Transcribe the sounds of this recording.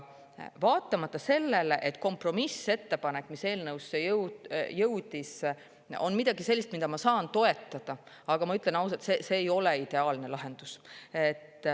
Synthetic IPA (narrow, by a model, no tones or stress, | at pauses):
vɑːt̪ːˑɑmɑt̪ːˑɑse̞lːe̞leʔet̪ːˑko̞mpro̞mise̞t̪ːe̞pɑne̞kːˑmise̞ːlnɤwsːejɤwjɤwd̪̥is | o̞̰nmid̪̥ɑɡise̞lʲːist̪mid̪ɑmɑsɑːnt̪o̞e̞t̪ːˑɑd̪̥ɑ | ɑɡ̥ɑmɑyt̪ːˑle̞nɑws̬ɑt̪sese̞ːjo̞le̞id̪̥e̞ɑːlne̞lɑɦe̞nd̪̥uset̪ːˑ